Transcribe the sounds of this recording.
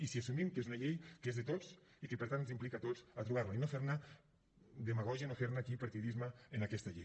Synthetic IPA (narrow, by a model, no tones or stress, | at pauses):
isiasumimkezunɐʎejkezðet̪ot͡s | ikəpəɾt̪annzimplikat̪ot͡sat̪ɾuβ̞aɾlainofeɾna | d̪emaɣ̞ɔʒianofeɾnakipaɾt̪iðizmaenakɛst̪aʎej